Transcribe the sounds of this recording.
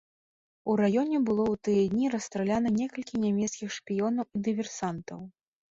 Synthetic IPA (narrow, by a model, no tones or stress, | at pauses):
uɾajɔnʲɛbɨlˠɔwt̪ɨjɛd̪ʲnʲiɾɐst̪ɾɛlʲanɐnʲɛkɐlʲkʲinʲamʲɛt̪skʲixʂpʲijɔnɐwid̪ɨvʲɛrsant̪ɐw